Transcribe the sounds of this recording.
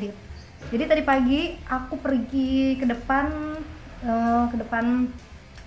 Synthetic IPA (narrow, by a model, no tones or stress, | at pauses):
dɪt̚ | d͡ʒadit̪adipaɡiʔakupərɡikədəpan | əkədəpan